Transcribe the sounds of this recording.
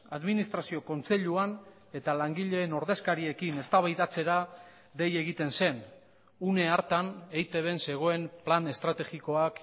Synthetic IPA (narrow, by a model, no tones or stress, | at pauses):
aðminist̪ɾasio̞ko̞nt͡se̞ʎuan | e̞t̪alaŋɡiʎe̞ːno̞ɾðe̞skaɾie̞kine̞st̪aβajðat͡se̞ɾa | ðe̞je̞ɣ̞it̪e̞nse̞n | une̞aɾt̪anejt̪e̞β̞e̞nse̞ɣ̞o̞e̞mplane̞st̪ɾat̪e̞ɣiko̞ak